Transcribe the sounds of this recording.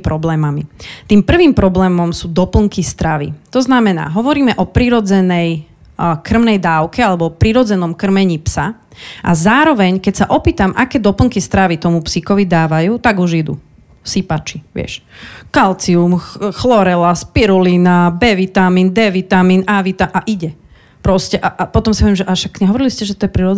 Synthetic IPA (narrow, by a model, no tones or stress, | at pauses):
pɾɔblɛːmamit̪iːmpr̩ʋiːmpɾɔblɛːmɔmsuːd̪ɔpl̩ŋkist̪ɾaʋḭt̪ɔznamɛna̰ːɦɔʋɔɾiːmɛʔɔpɾiɾɔd͡zɛnɛj | kr̩mnɛjd̪aːʊkɛalɛbɔpɾiɾɔd͡zɛnɔmkr̩mɛɲipsa | ʔazaːɾɔʋɛɲkɛcsaʔɔpiːt̪amʔakɛːd̪ɔpl̩ŋkist̪ɾaʋit̪ɔmupsikɔʋid̪aːʋajuːt̪aɡuʒid̪ṵ | sipat͡ʃiʋɪɛ̰ʃkalt͡siumxlɔɾɛlaspiɾulinabɛʋit̪amiːnd̪ɛʋit̪amiːnaʋit̪aʔaʔiɟɛ | pɾɔscɛʔaʔapɔt̪ɔmsi̥pɔʋjɛmʒɛʔaʃakːɲɛɦɔʋɔɾiliscɛʒɛt̪ɔjɛpɾiɾɔ